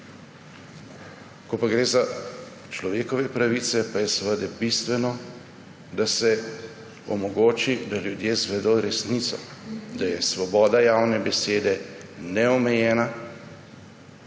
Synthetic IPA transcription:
kɔpaɡɾeːza | t͡ʃlɔʋeːkɔʋɛpɾaʋit̪sɛpajɛsəʋəd̪ɛbist̪ʋɛnɔ | d̪asɛ | ɔ̰mɔɡoːt͡ʃid̪aljud̪jeːzʋɛd̪oːɾɛsnit̪sɔ̰d̪ajɛsʋɔbɔːd̪ajaːwnɛbɛseːd̪ɛnɛɔmɛjɛːna

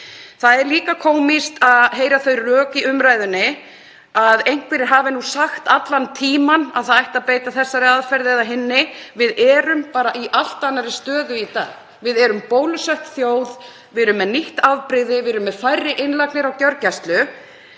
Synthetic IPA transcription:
θaðɛɾliːkakʰoːwmist̪aðɦeːjɾaθœɥrœːkiʔʏmɾaːjðʏnːɪ | aðejŋ̥kvɛɾɪɾɦaːvɪnusaxt̪at̪lant̪ʰiːmana̰ðθaðajht̪apeːjt̪aθɛsːaɾɪaðfɛɾðɪɛðaɦɪnːɪvɪðɛːɾʏmpaːɾaʔiʔal̥t̪anːaɾɪst̪œːðʏit̪a̰ːɣ | vɪðɛɾʏmpoːwlʏsœht̪θjoːwð | vɪɾʏmːɛðniht̪aðpɾɪðɪvɪɾʏmːɛðfajrːɪʔɪnlaknɪɾawc̪jœɾcast̪lʏ

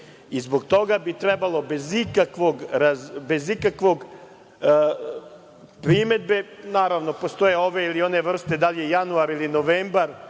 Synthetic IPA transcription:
izboɡt̪o̞ɡabit̪ɾɛbalˠo̞be̞zikakʋoɡɾazbe̞zikakʋo̞ɡ | pɾime̞d̪̚be̞naːɾaʋno̞po̞st̪oje̞o̞ʋe̞ilio̞ne̞ʋr̩st̪e̞d̪aljejanuaɾilino̞ʋeːmbaɾ

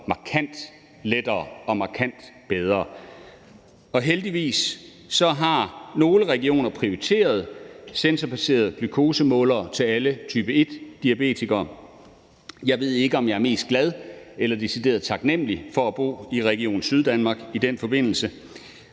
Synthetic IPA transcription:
mɑ̈kʰæn̰d̥ | led̥ɐːɒ̽mɑ̈kʰæn̰d̥b̥eð̞ˠʁɐː | ɒ̽ɦeld̥iʋḭːsː | ɒ̽ɦɑ̈no̝ːləʁɛɡ̥io̝̰ːnɐpʰʁioʁit͡sʰe̝̰ːɐð̞ˠsensɐpʰæse̝̰ːɐð̞ˠɡ̥lykʰo̝ːsəmɔ̰̽ːlɐːt͡sʰe̝lælət͡sʰyːb̥əe̝d̥ːiæb̥e̝̰ːt͡sʰiɡ̥ɐː | jɑ̈ɪʋe̝ð̰ˠe̝ɡ̥əɒ̽mjɑ̈æɐme̝̰ːsd̥ɡ̥læð̞ˠelɐd̥esid̥e̝̰ːɐð̞ˠt͡sʰɑ̈ɡ̥nem̰lifɒ̽æb̥o̝̰ːiʁɛɡ̥io̝̰ːn̩syð̞ˠd̥ænmɑ̈ːɡ̥id̥enfɒ̽b̥e̝n̰l̩sə

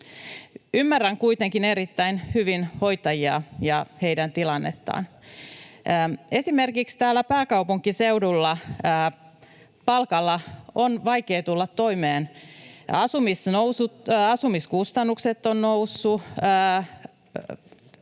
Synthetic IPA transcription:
ymːæræŋkuit̪eŋkineɾit̪ːæinhyʋinho̞jt̪ɑjiɑ̰jɑhe̞jdænt̪ilɑnːet̪ːɑ̰ːn | e̞sime̞rkikst̪æːlːæpæːkɑupuŋkːise̞wdulːɑː | pɑlkɑlːɑonʋɑjkeːt̪ulːɑt̪ːo̞imeːn | ɑsumisnousuɑsumiskust̪ɑnːukset̪ːonnousːuː

